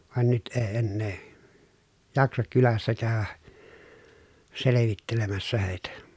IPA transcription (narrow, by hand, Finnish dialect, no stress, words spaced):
ʋɑn nyt eː enːeː jɑksɑk kylæsːæ kæˑy̞ʋæ seleʋitːelemæsːæ heˑi̯tæ